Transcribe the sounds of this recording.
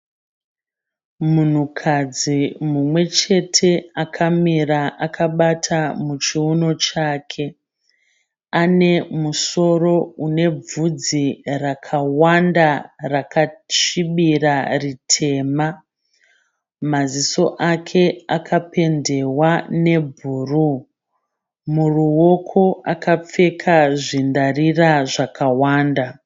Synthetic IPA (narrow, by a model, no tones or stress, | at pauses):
mun̤ukʰad͡zimumwe̞t͡ʃe̞tʰe̞akʰamiraʔakʰaɓatʰamut͡ʃiuno̞t͡ʃaːkʰe̞ | ane̞muso̞ro̞une̞b͡vud͡zirakʰawandarakat͡ʃiɓiraritʰe̞ːma | maziso̞ʔakʰe̞akʰape̞nde̞wane̞bʱuːru | muruwo̞kʰo̞akap͡fe̞kʰaʐindariraʐakawaːnda